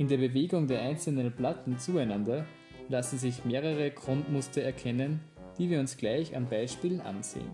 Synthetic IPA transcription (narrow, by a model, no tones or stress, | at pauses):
ʔɪndeːɐbəveːɡʊŋdeːɐʔaɪnt͡sl̩nənplatn̩t͡suːaɪnandɐ | lasn̩zɪçmeːʁəʁəɡʁ̥ʊntmʊstɐɛɐkʰɛnən | d̥iːviːɐʊnsɡ̥laɪça̰nbaɪʃpiːln̩ʔa̰nz̥ḛːən